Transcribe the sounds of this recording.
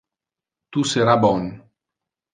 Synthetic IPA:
t̪useɾabɔn

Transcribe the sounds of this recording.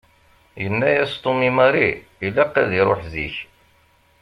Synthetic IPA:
jənːæjæst̪ˤomimaɾiː | lːæqːæðiɾˤoħzḭç

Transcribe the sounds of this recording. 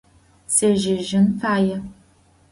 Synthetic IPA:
seːʒɪʒɪnfaːjɛ

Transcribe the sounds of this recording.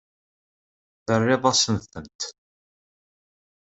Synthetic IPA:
θərːɪðˤɑsənθənt̪

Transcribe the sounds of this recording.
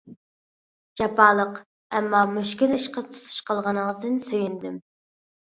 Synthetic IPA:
d͡ʒɑpʰɑːlˠəq | ɛmːɑmyʃkʲyliʃqɑt̪ʰu̥t̪ʰu̥ʃqʰəlˠʁɑnəŋəzd̪ɨnsøjynd̪ym

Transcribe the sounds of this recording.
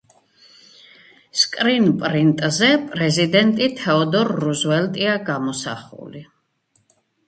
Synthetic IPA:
skʼɾinpʼɾint̪ʼzɛpʼɾɛzid̪ɛnt̪ʼit̪ʰɛɔd̪ɔɾːuzwɛlt̪ʼiaɡamɔsa̰χṵli

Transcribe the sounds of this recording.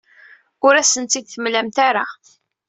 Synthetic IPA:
ʊɾæsənt̪id̪̚θəmlæmt̪aɾa

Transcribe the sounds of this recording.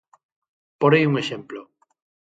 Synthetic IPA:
poɾejuŋeʃemplo

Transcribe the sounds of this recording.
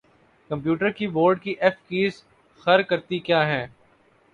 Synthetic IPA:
kɐ̃mpjuːʈəɾkiʋoːɾɖ̚kiʔɛːfkiːz | xɐɾkɐɾt̪ikjaːɦɛ̃ː

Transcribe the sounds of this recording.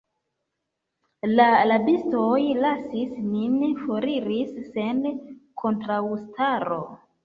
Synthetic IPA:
lalabistojlasisninfoɾiɾisːe̞nkʰo̞ntɾawstaɾo̞̰

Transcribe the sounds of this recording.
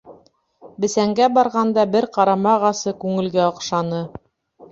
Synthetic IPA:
bɘ̆sæŋɡæbɑɾʁɑnd̪ɑbɘɾqɑɾɑmɑʁɑsɤkʉŋɘ̆lɡæŏqʃɑnɤ

